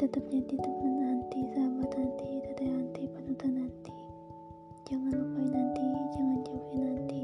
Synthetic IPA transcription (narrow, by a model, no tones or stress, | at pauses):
t̪ət̪əp̚d͡ʒadit̪əpanant̪isaɦabat̪nant̪it̪ad̪ajant̪ipənət̪anant̪i | d͡ʒaŋanapainant̪id͡ʒaŋand͡ʒapinant̪i